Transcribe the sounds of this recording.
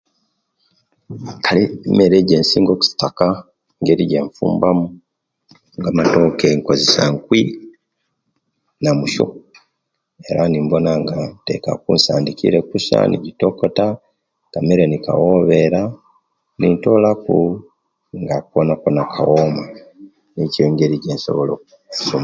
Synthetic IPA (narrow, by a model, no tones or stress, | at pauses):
kʰalime̞ɾeːɟe̞ːnsiːŋɡo̞ku̥si̥taka | ŋɡeɾiɟeɱfṵːmbamu | ŋɡamato̞keŋkozesaŋkwi | namuʃo̰ | e̞ɾanimbo̞naŋɡante̞̰ka̰kunsaːndikḭɾe̞kusa̰nʔiɟito̞kota | kameɾenika̰woβe̞ɾa | nintolaku | ŋɡakuwonakonakʰawoma | niceŋɡe̞ɾiɟeːnso̞̰βolo̞kui̥suma